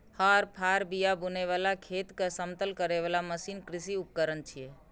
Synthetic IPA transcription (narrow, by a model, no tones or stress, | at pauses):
həɾpʰaɾbijabuneʋalakʰet̪kəsəmt̪əlkəɾeʋalaməsinkɾisiup̚kəɾənt͡ʃʰie